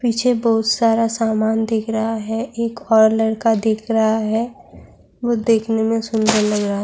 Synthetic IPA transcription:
piːt͡ʃʰebɔɦʊt̪saːɾasaːmaːnd̪eːkʰɾəɦaɦɛʔeːkɔːɾləɽkad̪eːkʰɾɐɦaɦɛ | boːd̪eːkʰnemẽsʊnd̪əɾləɡɾɐɦa

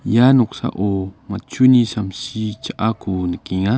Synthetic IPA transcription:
januksa̰ʔomat͡ʃunisamsit͡ʃaʔakunəkiŋa

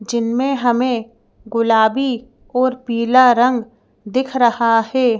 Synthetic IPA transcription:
d͡ʒɪnmẽɦɐmẽ | ɡʊlaːbi | ɔːɾpiːlaɾə̃ŋɡ | d̪ɪkʰɾɐhahɛː

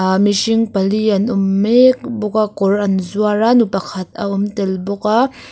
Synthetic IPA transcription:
miʃɪŋpɐliɐnʊmːekbʊk̚akʊrʔɐnzuaranupɐkʰɐt̪̚ɐʔʊmt̪ɛlbʊk̚a

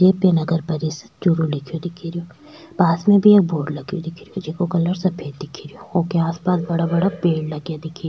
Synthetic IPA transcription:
d͡ʒeːpenɐɡəɾpɐɾisə̥t͡ʃʊɾulɪkʰijod̪ɪkʰiɾijoː | paːsmẽbʱieːk̚boːɽlɐɡijod̪ɪkʰɾijod͡ʒekokɐləɾsɐpʰeːd̪ɪkʰiɾijookeaːspaːs̬bɐɽabɐɽapeːɽlɐɡjad̪ɪkʰi

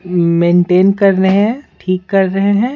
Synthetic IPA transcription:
mẽːɳʈeːnkɐɾːɐɦeɦɛ̃ʈʰiːkːɐɾːɐɦeɦɛ̃ː

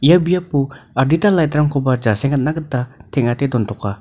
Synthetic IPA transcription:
ijabijapuaɾditalajtɾaŋkʰobad͡ʒasɛŋat̚naɡɯtːatʰɛŋatedɔntʰɔka

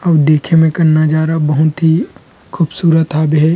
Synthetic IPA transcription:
ɐd̪eːkʰemẽkɐɾnad͡ʒaːɾabɐɦʊt̪ɦi | kʰuːbsuːɾət̪aːbɦɛː

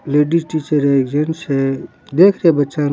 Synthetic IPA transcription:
leɖisʈit͡ʃəɾekd͡ʒense | d̪ekʰɾebətːʃan

